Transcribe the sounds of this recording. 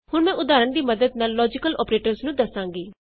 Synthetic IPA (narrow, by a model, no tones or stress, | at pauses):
hʊɳmɛ̃ːʔʊd̪aːɾəɳd̪iːməd̪əd̪naːlːɔːd͡ʒɪkəlɔːpɾeːʈəɾznũːd̪əsãːŋɡiː